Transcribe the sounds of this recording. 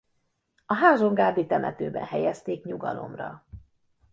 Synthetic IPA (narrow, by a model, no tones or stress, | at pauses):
ɒɦaːzoŋɡaːd̪it̪ɛmʔɛt̪øːbɛ̰nɦɛjɛst̪eːkɲuɡɒlo̞̰mrɒ